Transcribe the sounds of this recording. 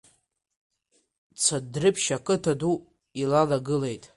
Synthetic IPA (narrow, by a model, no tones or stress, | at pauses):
t͡sʰadrɨpʰʃakʼɨtʰadu | ilalaɡɨle̞jtʼ